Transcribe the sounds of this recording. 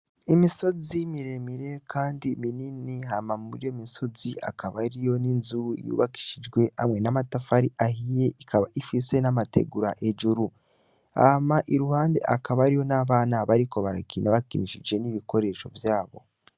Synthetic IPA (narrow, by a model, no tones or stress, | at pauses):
imiso̞zimiɾe̞miɾe̞kʰaːndimininiɦamamuɾijomiso̞zia̰kaβaɾijo̞ninzuɾuḭjṵːβaki̥ʃid͡ʒɡwe̞a̰mŋe̞namatafaɾiʔahijeikʰaβaʔifise̞namatḛɡuɾaʔed͡ʒuɾu | a̰maʔiɾuhaːnde̞̰ʔakaβaɾijo̞naβaːnaβaɾiko̞βaɾakinaβakiniʃid͡ʒɡe̞niβiko̞ɾe̞ʃo̞̰vjaːβo̞̰